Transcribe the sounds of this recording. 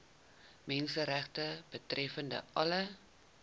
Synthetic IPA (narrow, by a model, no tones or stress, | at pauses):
mɛnsəɾæχtəb̥ətrʔɛfəndə̰ʔɐlə